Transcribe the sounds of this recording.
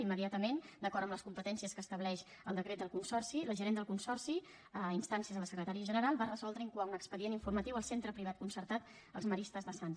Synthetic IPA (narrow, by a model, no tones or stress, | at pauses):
imːəðiat̪əmend̪əkɔɾt̪əmləskumpət̪ɛnsiəskəːst̪əβlɛʃ | əlˠd̪əkɾet̪̚d̪əlˠkunsɔrsiləʒəɾend̪əlˠkunsɔrsi | əinst̪ansiəzðələsəkɾət̪aɾiəʒənəɾalˠβarəzɔlˠd̪ɾəiŋkwaunəkspəðieniɱfurmət̪iwəlˠsent̪ɾəpɾiβ̞at̪̚kunsəɾt̪at̪ | ə̰lˠzməɾist̪əzðəsans